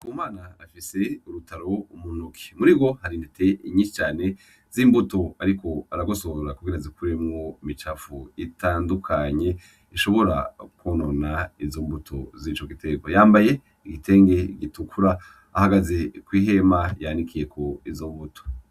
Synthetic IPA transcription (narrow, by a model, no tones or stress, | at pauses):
komaːnaːfise̞uɾutʰaɾo̞umunukʰi̥muɾiɡo̞haɾindite̞ʔiɲiʃi̥t͡ʃaːne̞ | ziːmbutoaɾiko̞aɾaɡosoβazuɾakuɡiɾazikuɾemŋo̞imit͡ʃafuitaːndukʰaɲe̞ | iʃo̞βo̞ɾa̰kononaizombutʰo̞̰zit͡ʃoɡite̞ɡojaːmbaje̞ | iɡitʰe̞ːŋɡe̞ɡitukʰuɾaː | haɡazekwiːɦe̞majanikʰijekoizombuto̥